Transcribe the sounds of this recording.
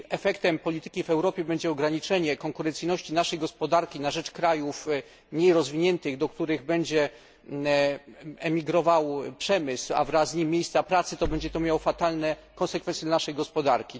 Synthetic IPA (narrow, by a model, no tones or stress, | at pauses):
ɛfɛkt̪ɛmpɔlʲit̪ɘ̥kʲivɛwɾɔpʲjɛbɛɲd͡ʑɛɔɡɾaɲit͡ʂɛɲɛkɔŋkuɾɛnt̪sɘjnɔɕt͡ɕinaʂɛjɡɔspɔd̪aɾkʲinaʐɛt͡ʂkɾajuf | mɲejɾɔzvʲiɲɛnt̪ɘɣd̪ɔk̚t̪uɾɘɣbɛɲd͡ʑɛ | ɛmʲiɡɾɔvawpʂɛmɘswa̰vɾazɲimʲːjejst̪sapɾat̪sɘt̪ɔbɛɲd͡ʑɛt̪ɔmjawɔfat̪alnɛkɔ̃nsɛkfɛnsjɛd̪anaʂɛjɡɔspɔd̪aɾkʲi